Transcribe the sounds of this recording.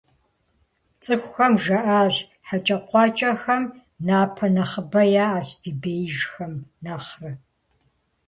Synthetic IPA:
t͡sʼɨxʷxɐmʒɐʔaːɮ | ħat͡ʃʼɐqʷɑːt͡ʃʼɐxɐm | naːpʰɐnɐχəbɐjaːaːɕdibeːjʒxɐmnaχrɨ

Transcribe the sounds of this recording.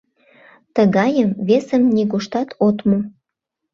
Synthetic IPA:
t̪əɣɑjəmβesəmnʲiɣoʃt̪ɑt̪ʰot̪mo

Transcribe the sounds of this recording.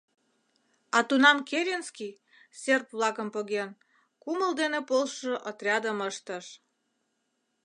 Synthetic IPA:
ɑt̪unɑmkeɾʲenskij | sʲerpβlɑkəmpoɣen | kuməld̪enepolʃoʔət̪rʲɑd̪əməʃt̪əʃ

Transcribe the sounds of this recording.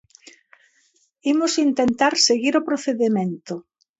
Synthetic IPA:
imʊsint̪ent̪aɾseɣiɾopɾoθeðemẽnt̪ʊ

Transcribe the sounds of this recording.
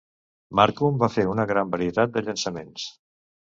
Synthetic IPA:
maɾkumbafeɾunəɣɾambəɾiət̪at̪̚d̪əʎənsəmens

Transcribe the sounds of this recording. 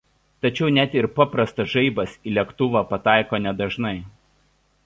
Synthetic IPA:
t̪ɐt͡ʃʲɛʊnʲɛt̪ɪɾpɑpɾɐst̪ɐsʒɐɪbɐsiːlʲiɛkt̪ʊʋɑpɐt̪ɑˑɪkoːnʲɛd̪ɐʒnɐɪ

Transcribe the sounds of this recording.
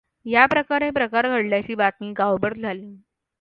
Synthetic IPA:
japɾəkaɾepɾəkaɾɡʱəɽljat͡ɕiːbat̪miːɡawbəɾd͡zʱalĩː

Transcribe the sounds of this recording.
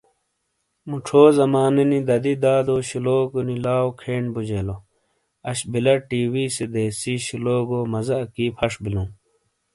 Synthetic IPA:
muʈ͡ʂʰoːzɐmaːnenid̪ɐd̪id̪aːd̪oːɕiloːkonilaːokʰeːɳbud͡ʑeːlo | ɐɕbilɐʈiːwiːsed̪eːsiːɕiloːɡoːmɐzɐkiːpʰɐʂbilũː

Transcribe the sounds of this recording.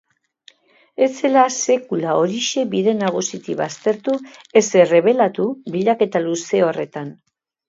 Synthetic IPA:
e̞t͡se̞lase̞kulao̞ɾiʃe̞βiðe̞naɣ̞usit̪iβast̪e̞ɾt̪ue̞sere̞β̞e̞lat̪ubiʎake̞t̪aluse̞o̞re̞t̪an

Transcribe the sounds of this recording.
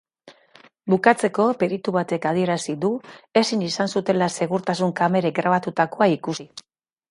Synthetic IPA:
bukat͡se̞ko̞pe̞ɾit̪uβat̪e̞kað̞ie̞ɾasiðue̞sinisansut̪e̞lase̞ɣuɾt̪asuŋkame̞ɾeɡɾaβ̞at̪ut̪ako̞aikusi

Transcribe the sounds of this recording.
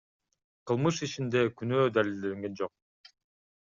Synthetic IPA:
qʰɯlˠmɯʃit͡ʃind̪e̞kynøːd̪alʲild̪eeŋɡe̞nd͡ʒoq̚

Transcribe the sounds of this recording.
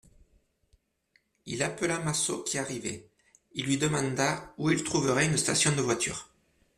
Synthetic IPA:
ilapəlamaso̰kʲʰiaʁivɛ̰ | ilːɥid̪əmɑ̃d̪auilt̪χuvəʁɛynst̪asjɔ̃d̪əvwat̪ʰy̰ːʁ

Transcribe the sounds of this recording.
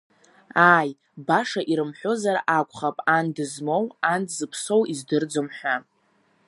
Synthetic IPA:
aːj | baʂaʔiɾɨmħʷozaɾʔakʷʼʰχapʼandɨzmo̞wandzɨpʰso̞wizdɨrd͡zomħʷᶣa

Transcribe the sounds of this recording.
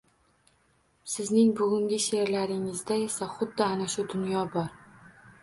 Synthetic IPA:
sɪznɪŋbʊɡʲʊŋɡʲɪʃeɾlaɾɪŋɪzd̪ae̞saχʊd̪ːɪanaʃʊd̪ʊnjɒbɒɾ

